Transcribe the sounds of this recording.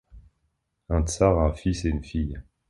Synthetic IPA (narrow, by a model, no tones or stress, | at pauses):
ɛ̃t̪saʁɛ̃fiseynfij